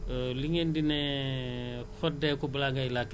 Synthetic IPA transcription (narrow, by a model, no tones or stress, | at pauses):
liŋendinɛ | fɔdɛkubɐlaŋɡailak